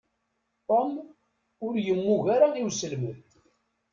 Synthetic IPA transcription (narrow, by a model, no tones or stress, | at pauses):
t̪ˤom | ʊɾjəmːuʝaɾaiwsəlmənt